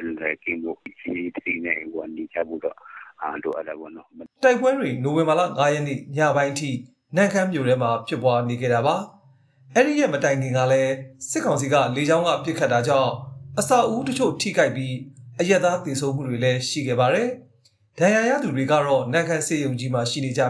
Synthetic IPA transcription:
lɛ˨kɪ̃˦˨mo̰˦˨ʔt͡ɕi˦t̪dḭ˦˨nɛ˦˨ɡa˨ne˨d͡ʑa̰˦˨bo̰˦˨dɔ̰˦˨a˨lo̰˨ʔa̰˦ta˨bɔ̰˦˨nɔ˦mta˦ɪpwɛ˦dwe˨no˨wɪ̃˨mba˨lä̰˦˨ŋa˦jɛ˦nḛ˦˨ɲa̰˦˨bã˦ɪ̃ʔətʰḭ˦˨ | nã˨ŋkʰã˦mjo˨ɾɛ˦ma˨pʰjɪ˦pːwa˦ne˨ɡɛ̰˦˨ɾa˨βa˨ | ʔɛ˦ɹi˨jɛ˦˨mətã˨ɪ̃ŋɡɪ̃˨ŋɡa̰˦˨lɛ˦sɪ˦kʰːã˨ʊ̃s̬i˨ɡa̰˦˨le˨˦d͡ʑã˦ʊ̃ŋɡa̰˦˨pjɪ˦kʰːa˦tːa˨d͡ʑã̰˦˨ʊ̃ʔəsa˦˨ʔʔu˦tət͡ɕʰo̰˦˨tʰḭ˦˨ka˦ɪpːji˦ʔəja˦t̪ːa˦t̪e˨sʰõ˦ʊ̃m̥˦ṵ˦˨dwe˨lɛ˦ʃḭ˦˨ɡɛ̰˦˨βa˨ɾɛ˨ | d̥ã˨ja˨ja̰˦˨d̪u˨dwe˨ɡa̰˦˨ɾɔ˦˨nã˨ŋkʰã˦se˦jõ˨ʊ̃ɲd͡ʑi˦ma˨ʃḭ˦˨ne˨d͡ʑa̰˦˨

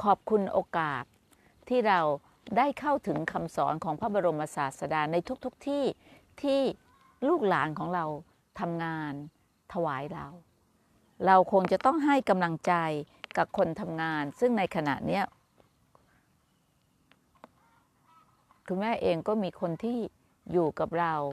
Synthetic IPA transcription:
kʰɔː˨˩p̚kʰu˧nʔoː˧kaː˨˩t̪̚ʰː | iː˥˩ɾa˧w | daː˥˩jkʰa˥˩wt̪ʰɯ˩˦ŋkʰa˧msɔ̰ː˩˦nkʰɔː˩˦ŋpʰa˦˥˩bɔː˧ɾo˧mʔa˧saː˨˩t̪̚sa˧daː˧na˧jt̪ʰu˦˥k̚t̪ʰu˦˥k̚t̪ʰiː˥˩ | t̪ʰiː˥˩ | luː˥˩k̚laː˩˦nkʰɔː˩˦ŋɾa˧w | t̪ʰa˧mŋaː˧n | t̪ʰa˧waː˩˦jɾa˧w | ɾa˧wkʰo˧ŋt͡ɕa˨˩ʔt̪ɔ˥˩ŋɦa˥˩jka˧mla˧ŋt͡ɕa˧j | ka˨˩p̚kʰo˧nt̪ʰa˧mŋaː˧nsɯ˥˩ŋna˧jkʰa˧na̰˨˩ʔni˦˥ɐ | kʰɯ˧˩mɛː˦˥˩ʔeː˧ŋkɔː˥˩miː˧kʰo˧nt̪ʰiː˥˩ | juː˨˩ka˨˩p̚ɾa˧w

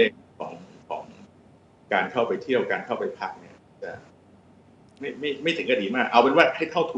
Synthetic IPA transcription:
le˧˩kʰɔ̰ː˩˦ŋkʰɔː˩˦ŋ | kaː˧nkʰa˥˩wpa˧jt̪ʰi˥˩əwkaː˧nkʰa˥˩wpa˧jpʰa˦˥k̚ni˥˩ɐ˥˩t͡ɕa˧˩ | ma˥˩jma˥˩jma˥˩jt̪ʰɯ˩˦ŋkʰa˧diː˨˦maː˥˩k̚ʔa˧wpe˧nwaː˥˩t̪̚ha˥˩jt̪ʰa˥˩wt̪ʰu˧

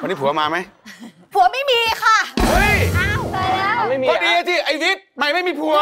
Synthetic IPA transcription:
a˧nːiː˦˥pʰu˩˦˧maː˧ma˦˥j | pʰu˨˩˦ɐma˥˩jmiː˧kʰa˥˩ʔɤ˦˥ja˥˩waː˧˦˥ma˥˩i˧ɔ˧diː˧a˧t͡ɕi˧˩ʔa˧jwi˦˥t̪̚ma˧˩jma˥˩jmiː˧pʰu˧˩ɐ

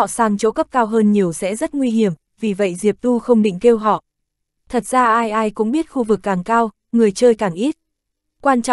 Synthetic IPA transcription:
saː˧˩ŋt͡ɕo˧˦kə˦˥p̚kaː˧wɦəː˧nɲi˨˩əwsɛ̰˧˥zə˦˥t̚ŋwi˧ɦi˧˩əm | vi˨˩və̰˧˨jzi˨˩əp̚t̪u˧xə˧wŋ͡mɗḭ˧˨ŋ̟ke˧wɦɔ̰˧˨ | t̪ʰə˨˩t̚z̥aː˧ʔaː˧jʔaː˧jkʊ̰˧˥ŋ͡mɓi˦˥ət̚xu˧vɨ˨˩kːaː˨˩ŋkaː˧w | ŋɨ˨˩əjt͡ɕəː˧jkaː˨˩ŋʔi˦˥t̚ | kwaː˧nt͡ɕɔ̰˧˨

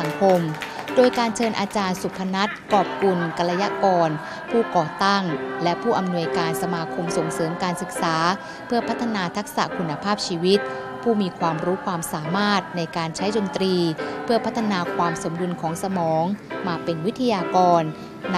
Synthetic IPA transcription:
a˩˦ŋkʰo˧m | doː˧jkaː˧nt͡ɕʰɤː˧nʔaː˧t͡ɕaː˧nsu˨˩pʰːa˧na˦˥t̪̚kɔː˨˩p̚ku˧nka˧la˧ja˧˥kɔː˧n | pʰuː˥˩kɔː˨˩t̪a˥˩ŋlɛ˦˥ʔpʰuː˥˩ʔa˧mnu˧əjkaː˧nsa˧maː˧kʰo˧mso˨˩˦ŋsɤː˩˦mkaː˧nsɯ˨˩k̚saː˩˦ | pʰɯ˥˩ɐpʰa˦˥t̪ʰːa˧naː˧t̪ʰa˦˥k̚sa̰˨˩ʔkʰu˧nːa˧pʰaː˥˩p̚t͡ɕʰiː˧wi˦˥t̪̚ | pʰuː˥˩miː˧kʰwaː˧mɾuː˦˥kʰwaː˧msaː˩˦maː˥˩t̪̚na˧jkaː˧nt͡ɕʰa˦˥jdo˧nt̪ɾiː˧pʰɯ˥˩ɐpʰa˦˥t̪ʰːa˧naː˧kʰwaː˧mso˩˦mdu˧nkʰɔː˩˦ŋsa˧mɔː˩˦ŋmaː˧pe˧nwi˦˥t̪ʰːa˧jaː˧kɔː˧n

